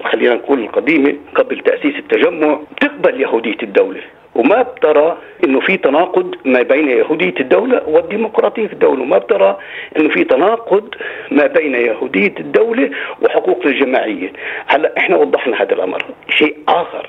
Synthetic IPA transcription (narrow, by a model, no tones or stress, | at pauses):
xalːiːnankuːnɪlqɑd̪iːmeqablt̪aʔsiːsɪt̪ːaʒamːʊʕbt̪ɪq̚baljahuːd̪ɪjːad̪ːawle | wmab̚t̪ɑɾˤɑ | ʔɪnːʊfit̪anɑːqʊd̪mabeːnajahuːd̪ɪjːad̪ːawlawɪd̪ːiːmʊqɾˤɑːt̪ˤijːafid̪ːawlawmabt̪ɑɾˤɑʔɪnːʊfit̪anɑːqʊd̪mabeːnajahuːd̪ɪjːad̪ːawlewʔɪħʊquːqnalʒamaːʕɪjːahalːaʔʔɪħnawɑd̪ˤːɑħnahaːd̪a̰lʔa̰mɾʃeːʔʔɑːxɑ̰ɾˤ